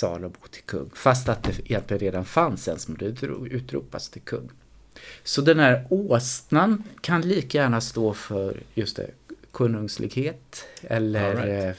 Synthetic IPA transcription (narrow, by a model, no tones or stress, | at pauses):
sɑ̰ːlabʊt̪ʰɪ̥lkʰɵ̰ŋːfast̪at̪̚d̪ɛɪjɛnt̪lɪɡənɾeːd̪anfansɛnsmɛnd̪ɛʉ̟ːt̪ɾṵːpast̪ʰɪlkʰɵ̰ŋː | sɔd̪ɛnhæːɾoːsnankʰanliːkajæːɳast̪oːfœɾjɵst̪ɛ̰kʰɵnɵŋslɪ̰ɡheːt̪ɛlːəɾ